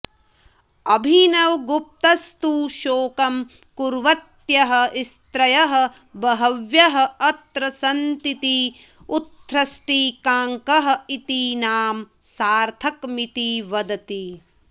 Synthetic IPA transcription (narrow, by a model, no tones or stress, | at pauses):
ɐbʱinɐwɡup̚t̪ɐst̪uʃoːkɐm | kuɾʋɐt̪jɐɦɐ̆ist̪ɾɐjɐɦɐ̆ | bɐɦɐʋjɐɦɐ̆ɐt̪ɾɐsɐnt̪it̪i | ut̪ʰːɾɐsʈiːkaːŋkɐɦɐ̆it̪iːnaːmsaːɾt̪ʰɐkmit̪iʋɐd̪ɐt̪i